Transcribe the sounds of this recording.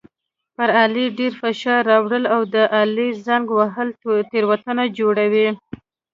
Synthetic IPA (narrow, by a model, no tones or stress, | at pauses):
pəɾɑliɖeɾfaʃɑɾːɑwɽəlawd̪əʔalizaŋɡwaɦəlt̪eɾwat̪ənad͡ʒoɽawi